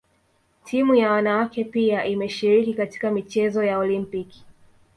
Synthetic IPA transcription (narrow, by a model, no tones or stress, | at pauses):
tʰimujawanawakɛpiaʔimɛʃiɾikikati̥kamit͡ʃɛzɔjaɔlimpiki̥